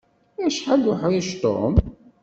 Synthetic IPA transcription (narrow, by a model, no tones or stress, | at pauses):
æʃħaɡʊħiʃt̪ˤo̰m